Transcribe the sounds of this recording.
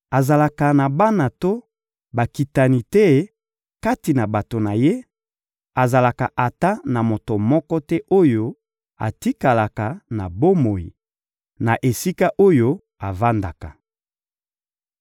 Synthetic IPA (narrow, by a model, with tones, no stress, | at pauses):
a˨za˨la˨ka˨na˨ba˦na˨to˦ | ba˨ki˨ta˨ni˨tɛ˦ | ka˦ti˨na˨ba˨to˨na˨je˦ | a˨za˨la˨ka˨ʔa˨ta˦na˨mo˨to˨mɔ˦kɔ˦tɛ˦ʔo˦jo˦ | a̰˨ti˦ka˨la˨ka˨na̰˨bo˦mo˨jḭ˨ | na˨ʔe˨si˦ka˦ʔo˦jo˦ | a˨va˦nda˨ka˨